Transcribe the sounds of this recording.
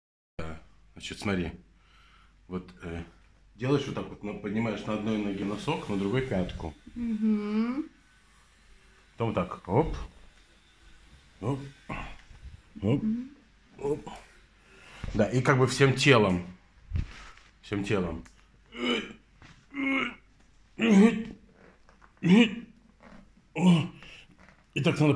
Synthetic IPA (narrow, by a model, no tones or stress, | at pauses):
d̪anɐt͡ɕɪt̪smɐt̪ɾʲi | vo̞t̪ə | dʲelˠəjɪʂvot̪akvot̪nəpədʲnʲɪmajɪʂnɐɐd̪no̞jnoɡʲenɐso̞knəd̪ɾʊɡojpʲat̪kʊ̰m̩ɦ̩ | t̪omt̪akop | op | o | op | d̪aʔikaɡ̚bɨfsʲemtʲe̞lˠəm | fsʲemtʲelˠəm | ɪt̪aknad̪ə